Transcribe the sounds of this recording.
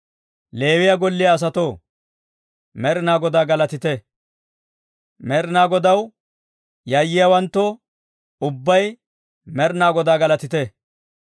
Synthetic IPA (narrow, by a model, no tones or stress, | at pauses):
le̞ːwɪjɐɡɔlːɪjɐːs̬ɐt̪oː | mɛɾnaːɡɔd̪aːɡɐlɐt̪ɪt̪ɛ | mɛɾnaːɡɔd̪ɐw | jɐjːɪjawɐnt̪ːɔ | ʊbːɐj | mɛɾnaːɡɔd̪aːɡɐlɐt̪ɪt̪ɛ